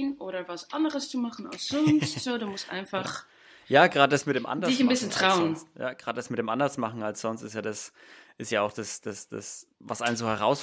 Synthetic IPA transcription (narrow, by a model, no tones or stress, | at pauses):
nʔoːɾɐvasʔandəʁəst͡sumaχn̩a̰lsz̥ɔnstz̥oːduːmʊstʔa̰ɪnfaχ | jaːɡʁaːdədasmɪt̚d̥eːmʔa̰ndɐɪçnbɪsəntʁ̥aʊənja̰ːɡ̥ʁaːdədasmɪt̚deːmʔandɐsmaχn̩alsz̥ɔnstɪsjaːdas | ʔɪstjaːaʊxd̥asd̥asd̥a̰svasʔaɪnənzoːhɛʁaʊs